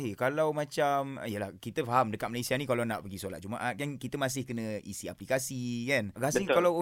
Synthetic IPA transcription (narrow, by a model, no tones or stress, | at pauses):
ɦekalawmãt͡ʃamijəlahkit̪əfaɦamdəkat̪̚məlajsianĩkalana̰ʔpəɡisola̰t̪̚d͡ʒuma̰ʔat̚kankit̪əmãs̬ɪhkənə̃ḭsia̰plikasikanɡasikalaw